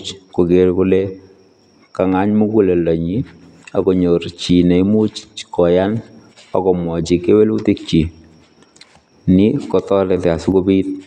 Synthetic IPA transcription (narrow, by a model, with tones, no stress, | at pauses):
t͡ʃko˨ɡe˨ɾkʊ˦le˦ | ka˨ŋa˦ɲmu˦ku˦le˨la˨ɲi˦ | a˨ko˨ɲo˨ɾt͡ʃi˨ne˨i˦mu˦t͡ʃkɔ˨ja˦n | ɔ̰˨kɔ˨mwɔ˨t͡ʃi˨ke˦we˦lu˦ti˦k̚t͡ʃi˨ | nɪ˦kɔtɔ˦lɛ˨tɛ˨a˨sʊ˦ko˦bi˦t̚